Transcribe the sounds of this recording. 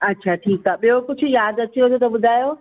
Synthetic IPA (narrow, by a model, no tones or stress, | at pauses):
ɐtːɕʰaːʈʰiːkaːɓijokʊd͡ʑʱʊ̆jaːd̪ɐt͡ɕiot̪ʰot̪ɐɓʊd̪ʱaːjoː